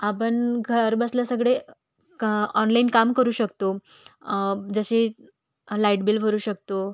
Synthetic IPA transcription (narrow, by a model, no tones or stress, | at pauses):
apənɡʱəɾbəslasəɡɭe | ɔnlainkamkəɾuːɕəkt̪o | d͡zəɕe | laiʈbilbʱəɾuːɕək̚t̪o